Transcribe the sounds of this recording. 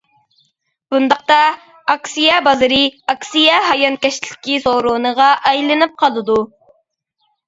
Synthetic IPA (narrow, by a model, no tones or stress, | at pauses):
b̥und̪ɑq̚t̪ɑ | ɑksijɑbɑzɨɾɨɑksijɑɦɑjɑnkʲɛʃlɪ̥kʲisoɾonəʁɑʔɑjlˠɨnɨp̚qʰɑlˠɨd̪u